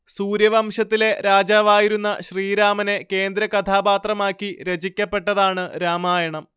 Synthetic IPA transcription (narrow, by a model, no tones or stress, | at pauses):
suːɾjɐʋɐmʂɐt̪ːile̞ɾaːd͡ʑaːʋaːjiɾunːɐɕriːɾaːmɐne̞ke̞ːnd̪ɾɐkɐt̪ʰaːbaːt̪rɐmaːkːiɾɐd͡ʑikʲːɐpːe̞ʈːɐðaːɳɨɾaːmaːjɐɳɐm